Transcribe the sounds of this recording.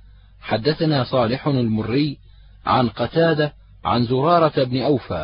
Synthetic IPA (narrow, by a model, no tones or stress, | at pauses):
ħad̪ːaθanaːsˤɑːlɪħalmʊrːɪj | ʕa̰nqɑt̪aːd̪a | ʕa̰nzʊɾˤɑːɾˤɑbnɪʔawfa̰ː